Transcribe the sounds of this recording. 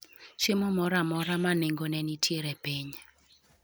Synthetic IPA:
t͡ʃemɔmɔɾamɔɾamaneŋɡonɛnitʰjeɾepiɲ

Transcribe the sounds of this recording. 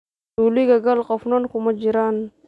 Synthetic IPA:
uliɡaɡalqɔfnonkumad͡ʒiɾan

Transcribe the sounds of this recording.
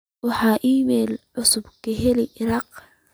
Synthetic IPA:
wɑħɑːʔiːmɛːlʕʊsʊbkɐɦɛlɪʔɪɾɑːq

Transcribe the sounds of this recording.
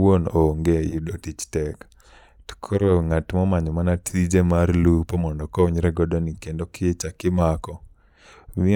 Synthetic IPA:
wonoŋɡejudotit͡ʃtɛk | tkʰoɾoŋatmɔmaɲɔmanatid͡ʒemaɾlupomɔndɔkɔɲɾɛɡɔdɔnikendokɪet͡ʃakɪmakɔ | mɪ

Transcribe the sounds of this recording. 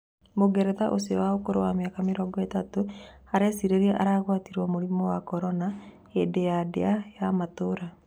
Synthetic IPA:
moɡɛɾɛðaʔosiwaokoɾowameakameɾɔɡɔetato | aɾɛsiɾeɾeʔaɾaɣwatiɾwɔmoɾimɔwakɔɾɔna | edejadḛajamatoɾa

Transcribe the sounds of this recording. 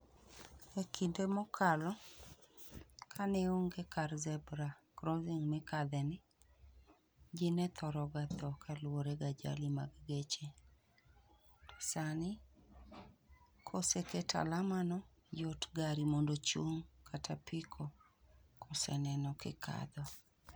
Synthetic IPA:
ekʰindemɔkʰalɔ | kʰanɛoŋɡekarzɛbɾakɾoziŋmɛkad̪ɛnɪ | d͡ʒinɛt̪ʰɔɾɔɡat̪ɔkalwoɾeɡad͡ʒa̰lima̰ɡɡet͡ʃe | tɔ̥sanɪ | kʰoseketʰa̰lamanɔ | jotɡaɾimondot͡ʃuŋkʰatʰapʰikʰo | kɔsɛ̰nɛnɔkɪ̰kʰa̰d̪ɔ

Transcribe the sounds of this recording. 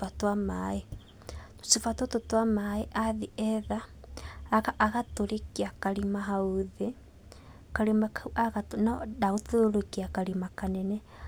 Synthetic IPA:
fatwamae | sifatototwamaeʔaðiɛðaː | ɣaʔːɣatoɾekiakaɾimaɦauðe | kaɾemakaɣatonadaɣotooɾokiakaɾimakanɛnɛ

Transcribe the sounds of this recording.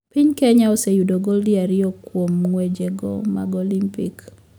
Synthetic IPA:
piɲkeɲaosejudoɡoldiaɾɪɔkwomŋwed͡ʒeɡɔ̰ma̰ɡolimpḭk

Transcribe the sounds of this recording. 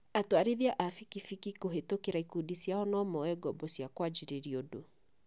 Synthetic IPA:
atwaɾiðiaʔafikifikikoɦetokeɾaikudisjaɔnɔmɔwɛɡɔbɔsjakwad͡ʒiɾeɾiodo

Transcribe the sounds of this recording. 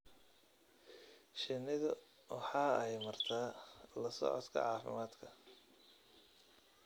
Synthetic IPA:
ʃɪnɪðʊ | wɑħɑːɛjmɐrt̪ʰaːlɐsɔ̰ʕɔ̰t̪kʰɐ̰ʕɑːfɪ̰maːd̪kʰɐ

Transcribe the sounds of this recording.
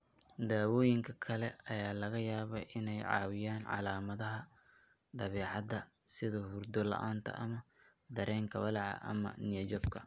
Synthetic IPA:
d̪aːwɔːjɪŋkʰɐkʰɐlɛɐjaːlɐɣɐjaːβɐʔɪnɛjʕɑ̰ːwɪjaːnʕɑ̰laːmɐðɐɦɐ | ɖ̪ɐβɛːʕɑðɐ | sɪðɔhurd̪ɔlɐ̰ʔaːnt̪ʰɐ̰ʔɐmɐ | d̪ɐɾʔɛːŋkʰɐwɐlɑʕɑ̰ʔɐ̰mɐ̰nɪjɛd͡ʒɔbkʰɐ

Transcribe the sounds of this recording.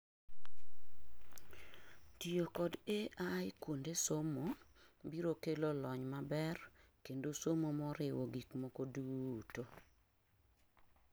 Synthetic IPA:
tijokɔdeajkwondesomo | biɾokelolɔɲmabɛrkendosomomɔɾɪwoɡikmɔkoduto

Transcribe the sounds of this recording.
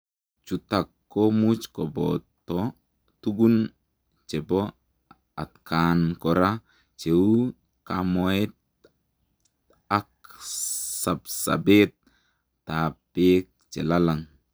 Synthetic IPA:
t͡ʃutakːomut͡ʃkɔbɔt̪ɔ | tuɡun | t͡ʃebɔ | a̰tkʰankɔɾa | t͡ʃeu | kamoet̪ | ak | sapsa̰bet̪̚ː | apek̚t͡ʃɛlalaŋ

